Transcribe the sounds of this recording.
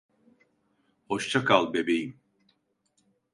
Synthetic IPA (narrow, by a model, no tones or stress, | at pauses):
hoʃt͡ʃʰakʰalˠbebejim